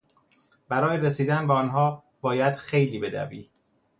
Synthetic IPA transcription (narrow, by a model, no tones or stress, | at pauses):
bæɾɒːjeɾesiːd̪ænbeɒːnɦɒː | b̥ɒːjæd̪̥xe̞jliːbe̞d̪æ̰vḭː